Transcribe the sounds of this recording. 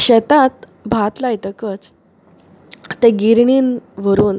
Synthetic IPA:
ɕɛt̪at̪ | bʱat̪lajt̪əkət͡s | t̪ɛ̃ɡiɾɳiːnʋəɾuːn

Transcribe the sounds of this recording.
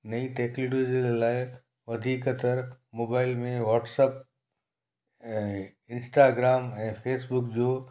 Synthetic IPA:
nɐiʈeːkloʈid͡ʑelaːɪ | ʋɐd̪ʱiːkət̪əɾmoːbaːɪlmẽʋɔːʈsəp̚ | ɪ̃nsʈaːɡɾaːmɛ̃ːpʰeːsbʊkd͡ʑoː

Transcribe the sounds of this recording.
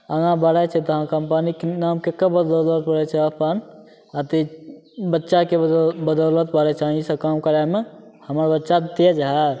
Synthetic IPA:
əɡãbəɽat͡ʃʰɛt̪əɦãkəmpanikenamkekəbəd̪ɔlət̪̚pəɽɛt͡ʃʰɛəpən | at̪i | bətːʃakebəd̪ɔlət̪̚pəɽɛt͡ʃʰãisə̃kamkəɾamehəməɾbətːʃat̪ed͡ʒaɦaɾ

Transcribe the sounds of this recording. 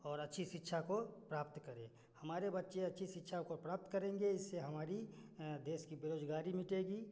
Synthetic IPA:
ɔːɾɐtːʃʰiʃɪtːʃʰakopɾaːp̚t̪kəɾẽ | hɐmaːɾebɐtːʃẽɐtːʃʰisɪtːʃʰakopɾaːp̚t̪kəɾẽːŋɡeɪsːeɦɐmaːɾid̪eːskibeɾoːd͡ʒɡaːɾimɪʈeːɡiː

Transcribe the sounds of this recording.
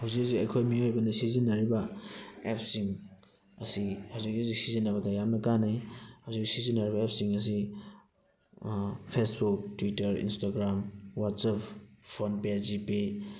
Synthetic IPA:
hawzik̚siɐjkʰojmiojbɐnɐsizinːɐɾibɐep̚siŋ | ɐ̰sihawzik̚ːizik̚sizinːɐβɐdɐjamnɐkanajhawzik̚isizinːɐɾibɐep̚siŋɐs̬i | pʰesbuk̚twitɐɾḭnstaɡɾamwatsapːʰonpezipi

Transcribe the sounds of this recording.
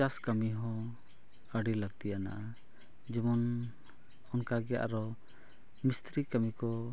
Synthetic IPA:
askəmiɦɔ̃ | əɖiləɡ̚t̪ijana̰ʔa | d͡ʒɛmɔn | ɔnkaɡɛja̰ʔɾɔ | mist̪ɾikəmikɔ

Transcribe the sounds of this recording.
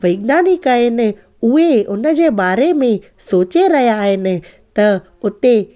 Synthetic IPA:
ʋɐɪɡnaːnɪkaɪnɪ̆ | ʊeʊnə̆d͡ʑeːbaːɾemẽ | soːt͡ɕeɾɐɦijaːɦɪnɪ̆t̪ɐ | ʊt̪e

